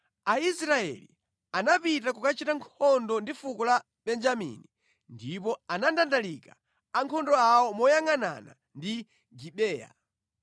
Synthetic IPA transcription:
aisɾaɛ̰lḭ | anapitakukat͡ʃitaŋkʰɔndɔndifukɔla | ɓɛnd͡ʒamḭni | ndipɔanandandalika | aŋkʰɔndɔawɔmɔjaŋana̰na̰ | ndi | ɡiɓɛːja̰

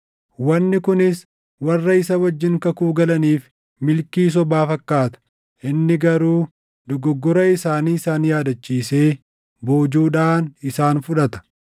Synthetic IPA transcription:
wɐnːɪkʊnɪs | wɐrːɐɪsɐwɐd͡ʒːɪŋkɐkuːɡɐlɐniːf | mɪlkiːs̬ɔbaːfɐkːaːt̪ɐ̥ | ʔɪnːɪɡɐɾuː | d̪ɔɡɔɡːɔɾɐɪsaːniːɪsaːnjaːd̪ɐt͡ʃːiːse̞ː | boːd͡ʒuːᶑaːnɪsaːnfʊᶑɐt̪ɐ̥

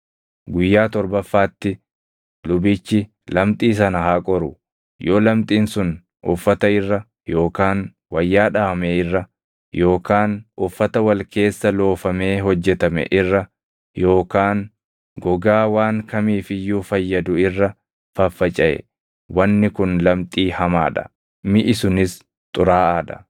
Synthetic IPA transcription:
ɡʊjːaːt̪ɔɾbɐfːaːt̪ːɪ | lʊbɪt͡ʃːɪ | lɐmt̪ʼiːs̬ɐnɐhaːkʼɔɾʊ | jo̞ːlɐmt̪ʼiːnsʊn | ʔʊ̰fːɐt̪ɐɪrːɐ | jo̞ːkaːn | wɐjːaːᶑaːɐmeːɪrːɐ | jo̞ːkaːnʔʊfːɐt̪ɐwɐlke̞ːsːɐlo̞ːfɐme̞ːɦɔd͡ʒːɛt̪ɐmɛ̰ʔɪrːɐ | jo̞ːkaːn | ɡɔɡaːwaːŋkɐmiːfɪjːuːfɐjːɐd̪ʊɪrːɐ | fɐfːɐt͡ʃʼɐʔɛ̰ | wɐnːɪkʊnlɐmt̪ʼiːhɐma̰ːᶑɐ̥̰ | mɪʔɪsʊnɪs | t̪ʼʊɾaːaːᶑɐ̥

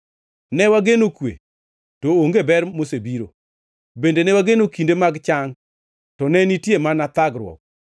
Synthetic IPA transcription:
nɛwaɡenokwḛ | tooŋɡebɛɾmosebiɾo̰ | bendenɛwaɡenokindemaɡt͡ʃaŋ | tɔnɛnitjemanat̪aɡɾwɔ̰k̚

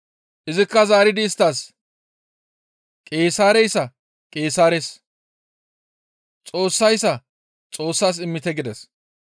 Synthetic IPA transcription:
ʔɪzɪkːɐzaːɾɪd̪ɪːst̪ːaːs | kʼeːsaːɾɛjsːɐ | kʼe̞ːsaːɾes | t͡sʼo̞ːsːɐjsːɐ | t͡sʼo̞ːsːaːs̬ɪmːɪt̪ɛɡɪd̪ɛs

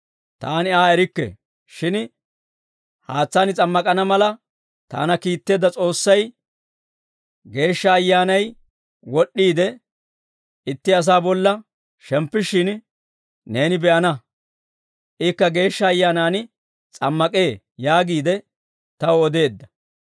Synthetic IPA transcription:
t̪aːnɪaːɛɾɪkːḛ | ʃɪn | haːt͡sːaːnɪt͡sʼɐmːɐkʼɐnɐmɐlɐ | t̪a̰ːnɐkiːt̪ːe̞ːd̪ːɐt͡sʼo̞ːsːɐj | ɡe̞ːʃːɐːjːaːnɐj | wɔɗːiːd̪ɛ | ɪt̪ːɪɐs̬aːbɔlːɐ | ʃɛmpːɪʃːɪn | ne̞ːnɪbɛʔɐnɐ | ʔɪkːɐɡe̞ːʃːɐːjːaːnaːn | t͡sʼɐmːɐkʼe̞ː | jaːɡiːd̪ɛ | t̪ɐwɔd̪e̞ːd̪ːɐ̥

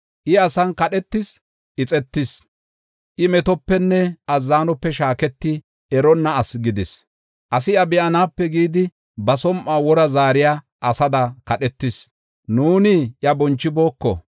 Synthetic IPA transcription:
ʔɪɐsɐnkɐɗɛt̪ːɪs | ʔɪt͡sʼɛt̪ːɪs | ʔɪmɛt̪ɔpːɛnːɛɐzːaːnɔpːɛʃaːkɛt̪ːɪ | ɛɾɔnːɐɐsɡɪd̪ɪs | ʔɐsɪjɐbɪʔɐnaːpːɛɡiːd̪ɪ | bɐsɔmʔaːwɔɾɐzaːɾɪjaː | ɐsɐd̪ɐkɐɗɛt̪ːɪs | nuːnɪʔjɐbɔnt͡ʃːɪbo̞ːkːɔ̰

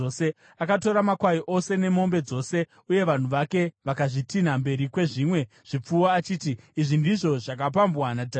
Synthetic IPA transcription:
ose | akato̞ɾamakwaiʔo̞se̞ne̞mo̞mbe̞d͡zo̞se̞ | uje̞ʋan̤uʋake̞ʋakaʐitinambe̞ɾikwe̞ʐiːmwe̞ | ʐ̥ip͡fuoat͡ʃiːtiiʐindiʐo̞ʐak̬ap̬ambwanata

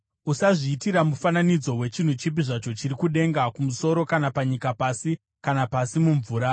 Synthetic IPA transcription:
usaʐiːtiɾamufananid͡zo̞we̞t͡ʃin̤ut͡ʃip̬iʐat͡ʃo̞t͡ʃirikuɗe̞ŋɡakumuso̞ɾo̞kanapaɲikapasi | kanapasimuɱvuːɾa

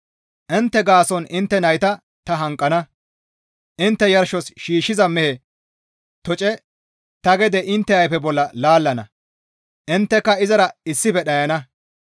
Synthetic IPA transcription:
ʔɪnt̪ːɛɡaːsɔnʔɪnt̪ːɛnɐjt̪ɐ | t̪ɐɦɐŋkʼːɐnɐ | ʔɪnt̪ːɛjɐɾʃɔsʃiːʃːɪzɐmɛhe | t̪ɔt͡ʃʼɛ | t̪ɐɡɛd̪ɛʔɪnt̪ːɛɐjpɛbɔlːɐlaːlːɐnɐ̰ | ʔɪnt̪ːɛkːɐɪzɐɾɐɪsːɪfɛɗɐjɐnɐ

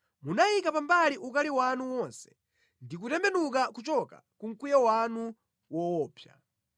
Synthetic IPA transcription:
munajikapambaliʔukaliwanuwɔnsɛ̥ | ndik̬utɛmbɛnukakut͡ʃɔkakuŋ̩kujawanu | wɔwɔːpʰja̰

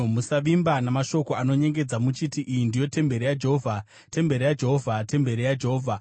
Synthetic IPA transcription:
musaʋimbanamaʃo̞ko̞ano̞ɲe̞ŋɡe̞d͡zamut͡ʃitiʔijindijo̞te̞mbe̞ɾijad͡ʒe̞ɦovʱa | te̞mbe̞ɾijad͡ʒe̞ɦovʱate̞mbe̞ɾijad͡ʒe̞ɦoːvʱa

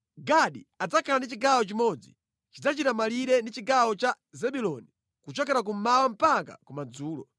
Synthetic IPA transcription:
ɡaɗiad͡zakʰalandit͡ʃiɡawɔt͡ʃimɔd͡zi | t͡ʃid͡zat͡ʃitamaliɾɛndit͡ʃiɡawɔt͡ʃa | zɛɓulɔni | kut͡ʃɔkɛɾak̬um̩mawam̩paka̰kumad͡zuːlɔ

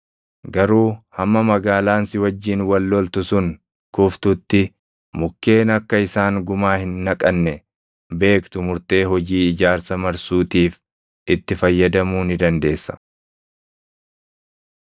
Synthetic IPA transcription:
ɡɐɾuːhɐmːɐmɐɡaːlaːnsɪwɐd͡ʒːiːnwɐlːɔlt̪ʊsʊŋ | kʊft̪ʊt̪ːɪ | mʊkːe̞ːnɐkːɐɪsaːŋɡʊmaːhɪnːɐkʼɐnːɛ | be̞ːkt̪ʊmʊɾt̪e̞ːɦɔd͡ʒiːɪd͡ʒaːɾsɐmɐɾsuːt̪iːf | ʔɪt̪ːɪfɐjːɐd̪ɐmuːnɪd̪ɐnd̪e̞ːsːɐ̥

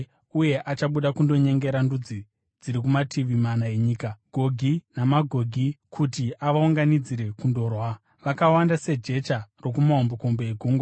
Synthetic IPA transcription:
uje̞ʔat͡ʃaɓuɗakundo̞ɲe̞ŋɡe̞ɾandud͡zi | d͡ziɾik̬umatʰiʋimanae̞ɲiːkaɡ̥ʱo̞ɡʱinamaɡʱo̞ɡʱikʰutiʔaʋauŋɡanid͡ziɾe̞kundo̞ːrwa | ʋakawandase̞d͡ʒe̞t͡ʃaro̞kumaɦomboko̞mbeeɡʱuːŋɡwa

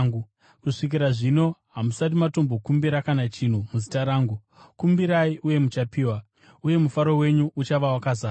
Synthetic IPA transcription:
ɡu | kuʂik̬iɾaʐino̞ɦamusat̬imato̞mbokumbiɾakanat͡ʃin̤umuzitaɾaːŋɡu | kumbiɾaiʔuje̞mut͡ʃapiːwa | uje̞mufaɾo̞we̞ɲuʔut͡ʃaʋawakazaː

